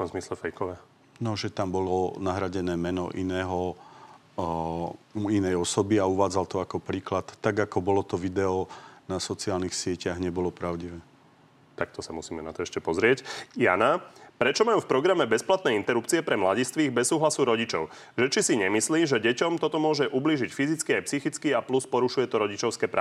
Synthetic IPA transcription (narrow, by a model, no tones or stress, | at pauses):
fkɔmzmislɛfɛjkɔʋɛː | nɔʒɛt̪ambɔlɔnaɦɾaɟɛnɛːmɛnɔ̰ʔinɛːɦɔ | inɛjɔsɔbiauʋaːd͡zalt̪ɔakɔpɾiːklat̪ːaɡakɔbɔlɔt̪ɔʋid̪ɛɔnasɔt͡siaːlnixsɪɛcaɣɲɛbɔlɔpɾaʊɟiʋɛː | t̪ak̚t̪ɔsamusiːmɛna̰t̪ɔɛʃcɛpɔzɾɪɛcja̰napɾɛt͡ʃɔmajuːfpɾɔɡɾamɛbɛsplat̪nɛːint̪ɛɾupt͡siɛpɾɛmlaɟist̪ʋiːɣbɛsːuːɦlasuɾɔɟit͡ʃɔʊ | ʒɛt͡ʃisiɲɛmisliːʒɛɟɛcɔmt̪ɔt̪ɔmʊɔʒɛʔubliːʒicfizit͡skiajpsixit͡skiapluspɔɾuʃujɛt̪ɔɾɔɟit͡ʃɔʊskɛːpɾa̰